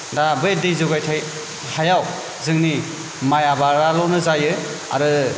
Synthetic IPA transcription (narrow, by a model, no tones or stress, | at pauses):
dabɯdijzuɡajtʰaj | hajaw | zɯŋni | majabaɾalɔnɯzajɯ | a̰ɾɯ